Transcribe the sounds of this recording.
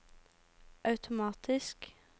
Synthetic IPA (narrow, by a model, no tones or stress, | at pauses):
ʔɑʉt̪ʰʊmɑːt̪ʰɪsk